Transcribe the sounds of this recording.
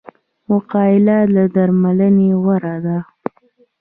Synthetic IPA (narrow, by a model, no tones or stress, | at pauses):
mʊqɑɪlalad̪aɾmalənewaɾad̪a